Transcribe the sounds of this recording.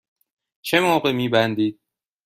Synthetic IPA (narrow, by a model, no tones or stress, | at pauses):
t͡ʃʰe̞moːɢe̞miːbænd̪iːd̪̥̚